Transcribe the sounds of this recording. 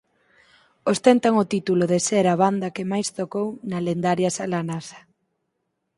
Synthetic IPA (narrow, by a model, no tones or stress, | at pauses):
ost̪ɛnt̪aŋot̪it̪uloðeseɾaβ̞and̪ɐkɪmajst̪okownalend̪aɾjasalanasɐ̥